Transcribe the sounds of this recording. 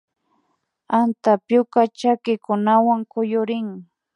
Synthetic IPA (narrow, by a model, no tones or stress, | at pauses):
ant̪apjʊkat͡ʃakɪkʊnawaŋkʊjʊɾɪŋ